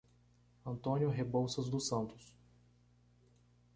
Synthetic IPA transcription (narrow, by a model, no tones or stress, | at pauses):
ɐ̃nt̪õnjʊɦebowsɐzd̪ʊsɐ̃nt̪ʊs